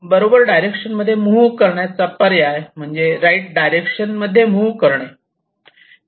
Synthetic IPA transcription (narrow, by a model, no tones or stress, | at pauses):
bəɾobəɾɖajɾekʂənməd̪ʱːjemukəɾɳjat͡sapəɾjaɦem̤əɳd͡zeɾajʈ̚ɖajɾekʂənməd̪ʱːjemukəɾɳe